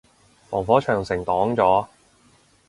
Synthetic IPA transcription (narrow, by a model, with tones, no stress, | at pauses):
fɔː˨˩ŋfɔː˨˥t͡ʃʰœː˨˩ŋsɪ˨˩ŋt̪ɔː˨˥ŋt͡sɔː˨˥